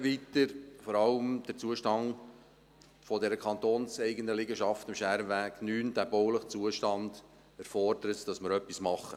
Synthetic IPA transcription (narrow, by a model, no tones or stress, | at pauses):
vitəɾfɔɾɑləmd̥ət͡suəʃtɑŋ | fɔdɛɾəkʰɑnt̪oːnsɛɪɡəndəlɪɡəʃɑftɪmʃæɾʋæːɡ̥nyːnd̥æbɔwləχt͡suəʃtɑnd̥ | æɾfɔrdəɾətd̥ɑsməɾœpːismɑχə